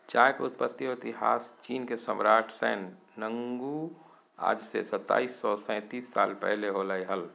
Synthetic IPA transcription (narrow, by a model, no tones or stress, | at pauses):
t͡ʃaːjkʊt̪̚pət̪ːioɪt̪iɦa̰ːst͡ʃiːnkesəmɾaːʈʰsɛːnː | ə̃ŋɡu | a̰ːd͡ʒsḛsət̪ːa̰ːisːɔsɛ̃ːt̪iːsːa̰ːlpɛ̰ɦleɦolaːiɦəl